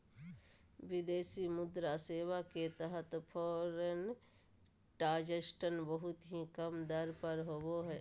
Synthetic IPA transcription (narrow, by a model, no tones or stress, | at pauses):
ʋɪd̪eːsimʊd̪ɾaseːwaket̪əɦət̪pʰɔːɾen | ʈaːd͡ʒəsʈənbəɦʊt̪ɦikəmd̪əɾpəɾɦooɦɛː